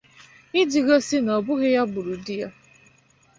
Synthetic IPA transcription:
ɪ˦d͡ʒi˨ɣo˦si˦nɔ˨bʊ˦ɣe˦ja˦bʊ˨ɾu˨di˦ja˦

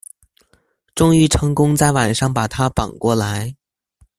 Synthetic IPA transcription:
ʈ͡ʂʊ˥ŋy˧˥ʈ͡ʂʰɤ˧˥ŋkʊ˥ŋt͡sa˥˩ɪwa˨˩nʂɑ˥˩ŋpa˨˩t̪ʰa˥pɑ˨˩ŋkwɔ˥˩la˧˥ɪ

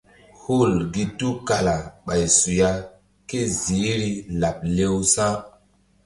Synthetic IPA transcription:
hu˦˨lɡi˦tu˦ka˨la˨ɓa˨jsu˨ja˦ | ke˦zi˨˦ɾi˦la˨p̚le˦wsã˦

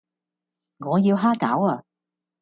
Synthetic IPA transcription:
ŋɔː˨˧jiː˧wɦaː˥kaː˨˥waː˧

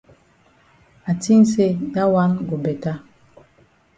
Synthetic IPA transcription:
a˨ti˦n̩˦se˦˨da˦wa˦nɡo˨bɛ˨ta˦

